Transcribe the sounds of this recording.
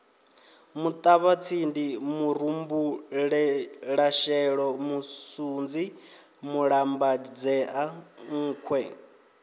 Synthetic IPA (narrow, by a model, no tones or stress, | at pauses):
mut̪ʼaβat͡sʰindimuɾ̤umbuɺɛɺaʃɛɺɔmusund͡zi | muɺambad͡zɛʔaŋ̩ːkʰwɛ